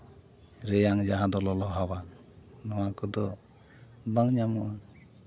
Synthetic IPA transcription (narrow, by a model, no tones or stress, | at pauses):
ɾɛjaŋd͡ʒaɦad̪ɔlɔlɔɦawa | nɔwakɔd̪ɔ | baŋɲamɔa